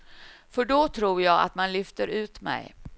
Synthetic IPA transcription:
fœɖɔt̪ʰɾuːɾjɑːɡa̰t̪manlʏft̪əɾʉ̟ːt̪mɛ̰j

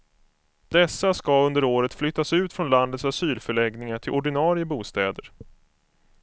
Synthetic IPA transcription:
d̪̥ɛsːaskaɵnd̪əɾoːɾət̪flʏt̪ːasʉ̟ːt̪fɾɔnland̪ət̪sasyːlfœɭɛɡnɪŋaʈʰɪlʔɔɖɪnɑːɾɪjəbuːst̪ɛːd̪əɾ

